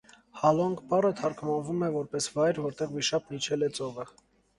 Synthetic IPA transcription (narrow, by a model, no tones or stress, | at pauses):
hɑlɔŋɡpɑrət̪ʰɑɾkʰmɑnvumɛvɔɾpɛsvɑjɾvɔɾt̪ɛʁmiʃɑp̚nit͡ʃʰɛlɛt͡sɔvə